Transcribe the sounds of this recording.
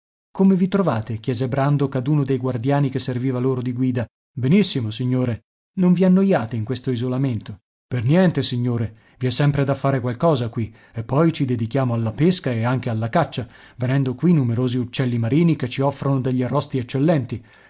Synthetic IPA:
komevit̪ɾovaːt̪ekjɛːzebɾand̪okad̪uːnod̪ejɡward̪jaːnikesːerviːvaloːɾod̪iɡwiːd̪a | benisːimosiɲːoːɾe | noɱvianːojaːt̪eiŋkwest̪oizolament̪o | pernjɛnt̪esiɲːoːɾe | viɛsːɛmpɾed̪afːaːɾekwalkɔːzakwi | epːɔjt͡ʃid̪ed̪ikjaːmoalːapeskaeaŋk̟ealːakat͡ʃːa | venɛnd̪okwinːumeɾoːziut͡ʃːɛlːimaɾiːniket͡ʃːiɔfːɾonod̪eʎːiarːɔst̪iɛt͡ʃːelːɛnt̪i

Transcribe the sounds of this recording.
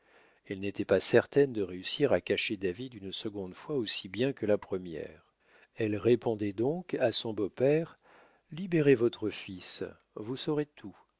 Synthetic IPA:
ɛlnet̪ɛpasɛʁt̪ɛnd̪əʁeysiʁakaʃed̪avid̪ynsəɡɔ̃d̪fwaosibjɛ̃kəlapχəmjɛ̰ʁ | ɛlʁepɔ̃d̪ɛd̪ɔ̃kasɔ̃bopɛʁ | libeʁevɔt̪χəfis | vusɔʁet̪ʰu

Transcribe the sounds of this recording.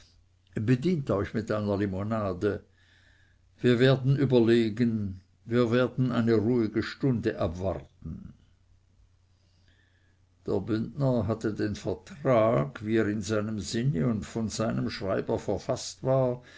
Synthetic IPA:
bədiːntɔʏçmɪtʔaɪnɐlimonaːdə | viːɐveːɐdn̩ʔyːbɐleːɡən | viːɐveːɐdn̩ʔaɪnəʁuːɪɡəʃtʊndəʔabva̰ʁtn̩ | d̥ḛːɐbʏndnəɦatədeːnfɛɐtʁaːɡviːeːʁɪnzaɪnəmzɪnəʊntfɔnzaɪnəmʃʁ̥aɪbəfɛɐfastv̥aːɐ

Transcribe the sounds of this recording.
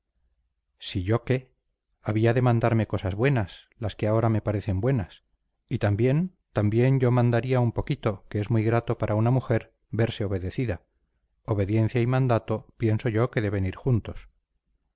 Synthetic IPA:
siʝo̞ke̞ | aβiaðe̞mãnd̪aɾme̞ko̞sazβwe̞naslaskeao̞ɾame̞paɾeθe̞mbwe̞nas | it̪ambje̞n | t̪ambje̞ɲɟ͡ʝo̞mãnd̪aɾiaumpo̞kit̪o̞keezmujɣɾat̪o̞paɾʔaunamuxe̞ɾ | be̞ɾse̞oβ̞e̞ðe̞θiða | oβe̞ðje̞nθjaimãnd̪at̪o̞pje̞nso̞ʝo̞ke̞ðe̞βe̞niɾxunt̪o̞̥s

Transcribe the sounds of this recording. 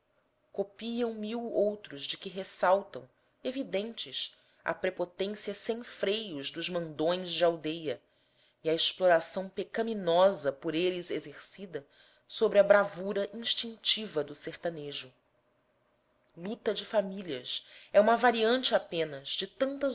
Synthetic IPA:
kopiɐ̃w̃miwowt̪ɾʊzd͡ʒɪkɪɦesawt̪ɐ̰̃w̃ | evid̪ẽnt͡ʃɪs | ɐ̰pɾepot̪ẽsiɐsẽj̃fɾejʊzd̪ʊzmɐ̃nd̪õj̃zd͡ʒɪawd̪ejɐ | iɐeʃploɾasɐ̃w̃pekɐminɔzɐpʊɾelɪzezeɾsid̪ɐ | sobɾɪɐbɾavuɾɐʔĩʃt͡ʃĩŋt͡ʃivɐd̪ʊseχt̪ɐneʒʊ | lut̪ɐd͡ʒɪfamiliɐsɛũmɐvaɾiɐ̃nt͡ʃɪapẽnɐzd͡ʒɪt̪ɐ̃nt̪ɐz

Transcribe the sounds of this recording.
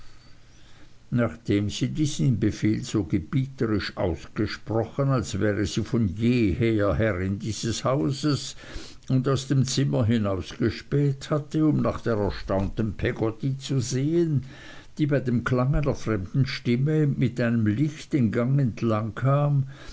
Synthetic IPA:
naːχd̥eːmz̥iːdiːz̥nnbefeːlz̥oːɡəb̥iːtəʁɪʃʔa̰ʊsɡ̥əʃpʁɔχənalsv̥ɛːʁəz̥iːfɔnjeːheːɐhɛʁɪndiːz̥əshaʊzəs | ʊndaʊsd̥eːmt͡sɪmɐɦɪnaʊsɡ̥əʃpɛlthatəʊmnaːχd̥eːɐʁɛɐʃtaʊntənpʰɛɡɔtit͡suzeːən | d̥iːbaɪdeːmklaŋaɪnɐfʁ̥ɛmd̥n̩ʃtɪməmɪtaɪnəmlɪçtdenɡaŋɛntʰlaŋkʰaːm

